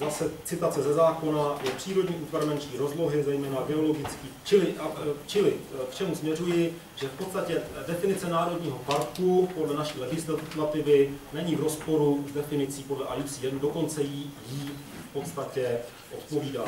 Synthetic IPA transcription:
zasɛt͡sɪt̪at͡sɛzɛzaːko̞najɛpr̥iːɾo̞dɲiːʔuːt̪vaɾmɛnt͡ʃɲiːɾo̞zlo̞ɦɪzɛjmɛːnaɡɪo̞lo̞ɡɪt͡skiːt͡ʃɪlɪʔat͡ʃɪlɪkt͡ʃɛmusmɲɛrujɪ | ʒ̥ɛfpot̪st̪acɛdɛfɪnɪt͡sɛnaːɾo̞dɲiːɦo̞paɾkupodlɛnaʃiːlɛɡɪslat̪ɪvɪnɛɲivɾo̞spo̞ɾuzdɛfɪnɪt͡siːpo̞dlɛʔa̰lifsiːdɛnudo̞ko̞nt͡sɛjiji | fpo̞t̪st̪acɛ | ʔo̞t̪po̞viːda

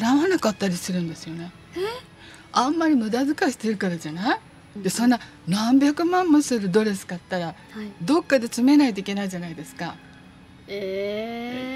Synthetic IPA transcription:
ɾãanakat̪ːaɾʲisɨɾɯ̟̃nd̪e̞sɨjo̞ne̞ | ãmːaɾʲimɯ̟d̪azɨkaɕi̥t̪eɾɯ̟kaɾaʑanai | d̪e̞sõ̞nːa | nãmbʲjakɯ̟mãmmɯ̟sɨɾɯ̟d̪o̞ɾe̞sɨ̥kat̪ːaɾa | d̪o̞kːad̪e̞t͡sɨme̞nait̪oikʲe̞naiʑanaid̪e̞sɨ̥ka | e

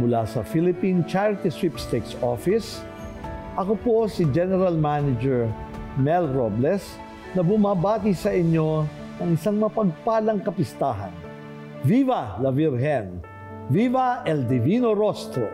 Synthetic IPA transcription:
mʊlasɐfilɪpint͡ʃaɹt̪ɪsipst̪ɛk̪sofɪs | ʔɐkoposɪd͡ʒɛnɛɾɐlmanɪd͡ʒɛɹmɛlɹoblɛs | nɐbʊmabaːt̪isɐʔɪɲo̞ | nɐŋɪsaŋmɐpɐɡ̚paːlɐŋkɐpɪst̪aːɦɐ̰n | vivɐlɐviɾɦɛn | vivɐʔɛld̪ɪvinoɾost̪ɾo̰

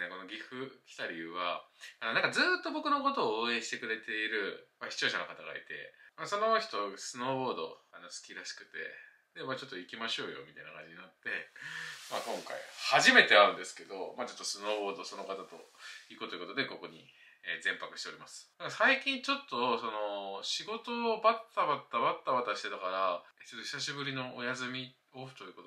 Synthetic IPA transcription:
neko̞no̞ɡʲiɸɯ̟kʲi̥t̪aɾʲiβaanãŋkad͡zɨːt̪ːo̞bo̞kɯ̟no̞ko̞t̪o̞ːẽ̞ɰ̃ɕi̥t̪e̞kɯ̟ɾe̞t̪e̞iɾɯ̟maɕçi̥t͡ɕo̞ːɕano̞kat̪aɡa̰ḭt̪e̞̰maso̞no̞çi̥t̪o̞sɨno̞ːbo̞ːd̪o̞̰ano̞sɨ̥kʲiɾaɕi̥kɯ̟t̪e̞̰ | d̪emaːt͡ɕo̞t̪ːo̞ikʲimaɕo̞ːjo̞̰mʲit̪ainakãɲd͡ʑiɲinat̪ːe̞maːkõ̞ŋka̰ḭhaʑime̞t̪e̞aɾɯ̟nd̪e̞sɨ̥ke̞d̪o̞maːt͡ɕo̞t̪ːosɨno̞ːbo̞ːd̪oso̞no̞kat̪at̪o̞̰ikɯ̟t̪ojɯ̟kot̪od̪e̞ko̞ko̞ɲ̟ḭ | eːd͡zẽ̞mpakɯ̟ɕi̥t̪eɾimasɨ̥d̪akasaikʲĩɲt͡ɕo̞t̪ːo̞so̞no̞ɕiɡo̞t̪o̞ːbat̪ːabat̪ːabat̪ːabat̪aɕi̥t̪e̞t̪akaɾaet͡ɕot̪ːoçi̥saɕibɯ̟ɾʲino̞ojazɨmʲi | o̞ɸɯ̟t̪o̞ji̟ko̞t̪o

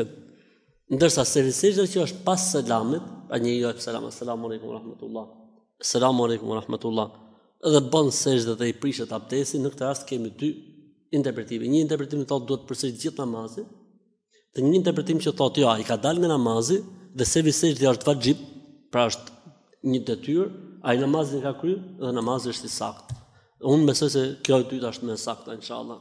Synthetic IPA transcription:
nd̪əɾsasɛvisɛʒd̪ɛcəəʃt̪̚pasːɛlamit̪pɾa̰ɲəjɔɛksala̰ma̰salamualɛjkumw̰ɾɑhmat̪ulˠˤːɑ | asːalamualɛjkumwaɾɑhmat̪ulˠːɑ | ɛðɛbənsɛʒðɛðɛipɾiʃɛt̪ap̚d̪ɛsinəkət̪əɾast̪kɛmid̪y | int̪ɛɾpɾɛt̪imiɲəint̪ɛɾpɾɛt̪imθɔt̪̚d̪uhɛt̪ːə̥pəɾsiɾit̪d͡ʑiθnamazi | ðɛɲəint̪ɛɾpɾɛt̪imcəθɔt̪jɔaikad̪alŋɡanamaziðɛsɛvisɛʃðiəʃt̪vad͡ʒib̚pɾaəʃt̪ | ɲəd̪ɛt̪yɾainamazinɛkakɾyðɛnamaziəʃt̪isa̰kt̪ | unbɛsɔjs̬ɛkjɔɛt̪yt̪əʃt̪mɛsak̚t̪ainʃa̰a̰lˠːɑ̰

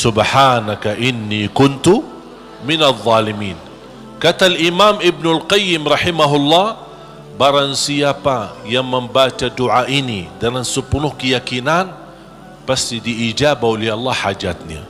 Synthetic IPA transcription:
sʊbħaːnakaʔɪnːiːkʊnt̪u | mɪnaðˤːɑːlimiːn | kat̪alʔimaːmɪb̚nʊlqɑjːɪmɾɑħimaɦʊlːɑːh | baɾansiapajaŋməmbat͡ʃaduʕaʔinidaŋansəpunʊhkəjakinan | past̪idiʔːd͡ʒabaoliɑlːɑhad͡ʒat̪̚nia̰

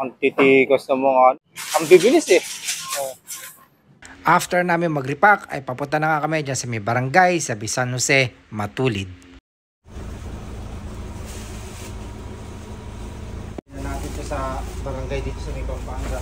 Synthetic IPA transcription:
ɐŋt̪it̪ikɐsnɐmoŋa | ɐmbibɪlɪsɛo | ʔaft̪ɛɹnaːmɪŋmɐɡɾɪpakɐ̰jpɐpʊnt̪ːanɐŋakɐmɛd͡ʒansɐmɛbɐɾɐŋɡajsɐbɪsanhosɛ | mɐt̪uːlɪd̪̚ | nɐnaːt̪ɪnt̪osɐbɐɾɐŋɡajd̪iːt̪osɐmikɐŋbaŋɡa

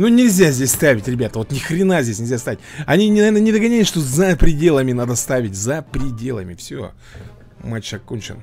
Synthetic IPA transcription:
nunʲɪlʲzʲazʲdʲesʲst̪avʲɪtʲɾʲɪbʲat̪əvo̞t̪nʲɪxɾʲɪnazʲdʲesʲnʲɪlʲzʲast̪avʲɪtʲɐnʲinʲɪnɐvʲernənʲɪd̪əɡɐnʲæjʲɪsʂt̪o̞zəpɾʲɪdʲe̞lˠəmʲɪnad̪əst̪avʲɪtʲzəpɾʲɪdʲe̞lˠə̰mʲɪfsʲo̰ | mat͡ɕːɐkːonʲt͡ɕɪ̰n

